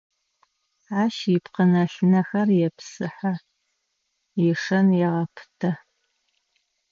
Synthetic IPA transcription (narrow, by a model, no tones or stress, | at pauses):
aːʃipqənɐɬɨnɐxɐrjɛpʰsɨħa | jɛʂɐnjɛʁɐpʰɨ̥tʰɐ